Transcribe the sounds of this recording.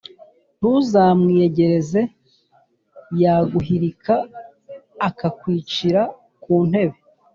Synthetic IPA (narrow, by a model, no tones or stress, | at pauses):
n̥uzaːmŋieɟe̞ɾe̞ze̞ | jaːɡuɦiɾikʰaː | kakwiːt͡ʃiɾa | kuːn̥he̞βe̞